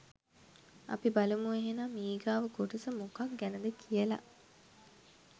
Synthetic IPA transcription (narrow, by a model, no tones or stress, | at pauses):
ɐ̰pibɐlɐmueɦenaːmiːɡaːʋəɡoʈɐsəmokɐk̚ɡænɐd̪əkʰijɐlɐ̰ʔ